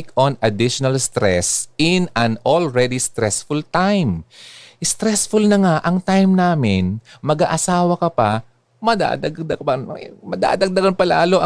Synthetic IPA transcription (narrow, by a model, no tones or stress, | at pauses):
konɐd̪ɪʃonɐlst̪ɾɛsɪnɐ̃nolɹɛd̪ist̪ɾɛsfʊlt̪ajm | st̪ɾɛsfʊlnɐŋaʔɐŋt̪ajmnaːmɪnmɐɡaʔɐsaːwɐkɐpɐ | mɐd̪a̰ːd̪ɐd̪ɐpɐmɐd̪a̰ːd̪ɐɡ̚d̪ɐɡɐnpɐla̰ːloʔɐ